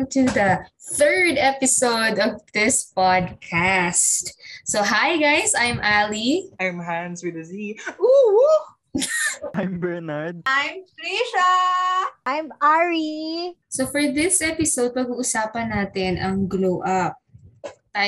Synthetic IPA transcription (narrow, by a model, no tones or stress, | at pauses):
t̪uðɐθɜɹd̪ɛpɪsowd̪ɔvd̪ɪspad̪̚kʰast̪soɦajɡajsʔajmʔaliʔajmɦanswɪd̪ɐziu | ʔajmbɛɹnaɹd̪̚ʔajmfɾiʃɐ | ʔajmaɹisofɔɹðɪsʔɛpɪsowd̪̚pɐɡuːʔʊsaːpɐnːaːt̪ɪnʔɐŋɡlowʔɐp̚ | a